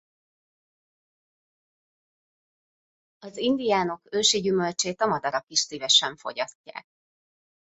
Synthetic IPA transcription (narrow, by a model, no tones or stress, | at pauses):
ɒzind̪ijaːno̞køːʃiɟymø̞lt͡ʃeːt̪ɒmɒd̪ɒɾɒkiʃsiːvɛʃɛɱfo̞̰ɟɒscːa̰ːk̚